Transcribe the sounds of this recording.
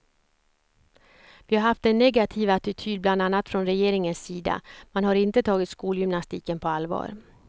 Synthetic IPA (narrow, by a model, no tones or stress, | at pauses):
vɪhaɾhaft̪ɛnːɛɡat̪ʰiːvaat̪ɪt̪ʰyːd̪̚bland̪anːat̪fɾɔnɾɛjeːɾɪŋənsːiːd̪a̰manhaɾɪnt̪ət̪ʰɑːɡɪt̪skuːljʏmnast̪ḭːkənpʰɔalvɑ̰ːɾ